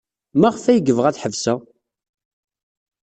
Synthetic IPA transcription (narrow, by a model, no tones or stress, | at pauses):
mæʁəfæjəɡəvʁæθħəvsæ